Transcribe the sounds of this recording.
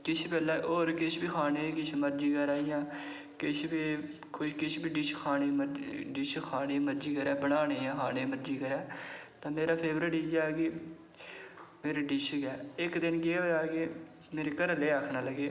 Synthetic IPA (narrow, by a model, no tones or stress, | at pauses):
kɪt͡ʃʰpɛːlɛːʔoːɾkɪt͡ʃʰbiːkʰaːneːkɪt͡ʃʰməɾd͡ʒiːkəɾaːjãː | kɪt͡ʃʰbiː | kʰʊkɪt͡ʃʰbiːɖɪʃkʰaːneːməɖɪʃkʰaːneːməɾd͡ʒiːkəɾɛːbəɽaːneːãːxʰaːneːməɾd͡ʒiːkəɾɛːt̪ãːmeːɾaːpʰeːbɾeːɖiːd͡ʒaːɡe | meːɾeːɖɪʃkɛːɪkd̪ɪnɡeːoːd͡ʒaːkeː | meːɾeːkəɾleːaːkʰnaːləɡeː